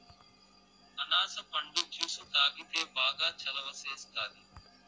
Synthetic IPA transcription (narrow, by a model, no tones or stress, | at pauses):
ɐnaːsɐpʰɐɳɖud͡ʒuːsut̪aːɡit̪eːbaːɡaːt͡ʃʰɐlɐʋɐseːst̪aːd̪i